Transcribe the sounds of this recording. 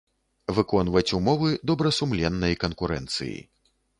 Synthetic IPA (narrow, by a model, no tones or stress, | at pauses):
vɨkɔnvɐt͡sʲumɔvɨd̪ɔbɾɐsumlʲɛnːɐjkɐnkuɾɛ̰nt̪sɨ̰jḭ